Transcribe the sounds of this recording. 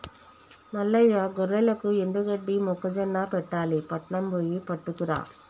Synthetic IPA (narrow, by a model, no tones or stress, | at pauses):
nɐlːɐjaɡɔɾːɐlɐkːɯɛnd̪ɯɣɐɖːimɔkːɐd͡ʒɐnːaːpɛʈːaːlipɐʈɳɐmboːjipɐʈːɯkːɯɾa̰ː